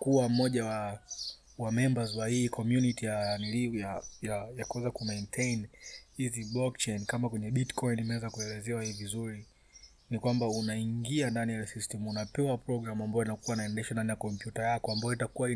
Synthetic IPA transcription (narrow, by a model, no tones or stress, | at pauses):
kuwam̩ɔʄawa | wamɛmbazwahikʰɔmjunitijanilijajajakuwɛzakumɛntʰejnhiziblɔkt͡ʃɛjnkamakwɛɲɛɓitkʰɔinimɛwɛzakuɛlɛzɛwahivizuɾi | nikwambaunaiŋɡiandanijasistɛmunapɛwapɾɔɡɾamambajɔinakuwainaɛndɛʃandanijakɔmpjutajakɔambajɔitakuwai